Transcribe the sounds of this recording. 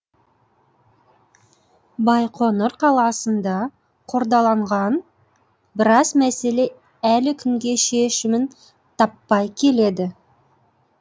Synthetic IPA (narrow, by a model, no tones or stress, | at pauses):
bɑjqʰo̞nəɾqʰɑlˠɑsənd̪ɑ | qʰo̞ɾd̪ɑlˠɑɴʁɑn | bɪɾɑzmæse̞le̞ | ælɪkʲʰʏŋɡʲe̞ʃe̞ʃɪmɪn | t̪ʰɑpːɑjkʲʰe̞le̞d̪ɪ